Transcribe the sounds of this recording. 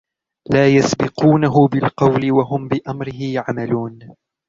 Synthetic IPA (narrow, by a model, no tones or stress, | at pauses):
laːjasbɪquːnaɦʊbɪlqɑwlɪwaɦʊmbɪʔamɾɪhɪʕamaluːn